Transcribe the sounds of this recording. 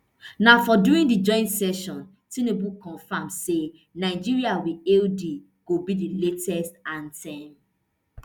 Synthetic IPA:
nafɔduɹĩndid͡ʒɔ̃ɪ̃ntsɛʃɔ̃n | tĩnebukɔ̃nfãmse | naɪd͡ʒiɹiawieldi | ɡ̥obidiletɛstãntʰɛ̃m

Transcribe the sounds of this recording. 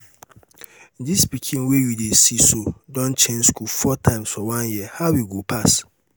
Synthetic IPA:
n̩dispikʰĩnwejidesisodɔ̃nt͡ʃẽnskulfɔtʰãɪ̃msɔwãnjiɛhawiɡopʰas

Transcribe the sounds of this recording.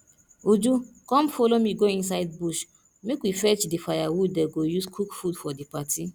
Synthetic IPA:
ud͡ʒukɔ̃mfolomiɡoĩns̬aɪd̚buʃ | mekwifɛt͡ʃdifajawudɛɡojuskʰukfudfɔdipatʰi

